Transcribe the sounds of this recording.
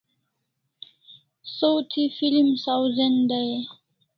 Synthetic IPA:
sowt̪ʰifilimsawzend̪aj

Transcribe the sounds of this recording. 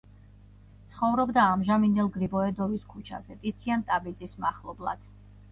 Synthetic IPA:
tt̪sʰχɔvɾɔbd̪aːmʒamind̪ɛlˠɡɾibɔɛd̪ɔviskʰut͡ʃʰa̰zɛt̪ʼit̪sʰiant̪ʼabid̪zʼismaχlˠɔblˠa̰d̪̥

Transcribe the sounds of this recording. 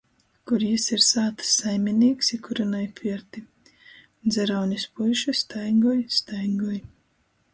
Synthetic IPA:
kuɾjisiɾsaːt̪ɨ̥sːajmʲiniːksikuɾanɔjpʲiɛɾt̪i | d̪zʲɛɾawnʲispulʲʃɨst̪ajŋɡɔjst̪ajŋɡɔj

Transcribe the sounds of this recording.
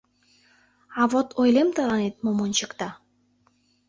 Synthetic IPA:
ɑβot̪ʰojlemt̪ɑɾɑnet̪̚momonʲt͡ɕə̆kt̪ɑ

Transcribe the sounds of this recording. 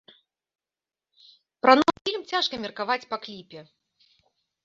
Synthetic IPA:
pɾɐnɔwfʲilʲmt͡sʲaʂkɐmʲɛrkavat͡sʲpaklʲipʲɛ

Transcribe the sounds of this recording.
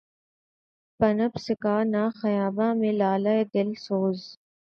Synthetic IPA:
pɐnɐbsɪkaːnaːxɐjaːbãːmẽlaːlaed̪ɪlsoːz

